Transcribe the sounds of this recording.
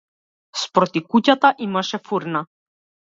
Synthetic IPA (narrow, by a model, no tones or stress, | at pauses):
spɾɔt̪ikucat̪aʔimaʃɛfuɾna